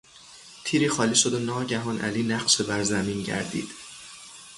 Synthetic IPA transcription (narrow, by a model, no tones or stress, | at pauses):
t̪ʰiːɾiːxɒːliːʃo̞d̪onɒːɟæɦɒːnʔæ̰liːnæɢʃe̞bæɾzæmiːnɟæ̰ɾd̪ḭːd̪̥